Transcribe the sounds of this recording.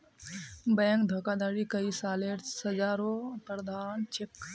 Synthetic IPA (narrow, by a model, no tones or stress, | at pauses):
bɛŋkd̪ʱəkad̪aːɾikəisaːleɾsəd͡ʒaːɾopɾəd̪ʱaːnt͡ʃʰek